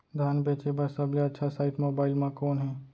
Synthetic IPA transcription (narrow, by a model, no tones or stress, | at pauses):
d̪ʱaːnbeːt͡ʃebəɾsəbleɐtːʃʰasaːɪʈmoːbaːɪlmãkɔːnɦɛː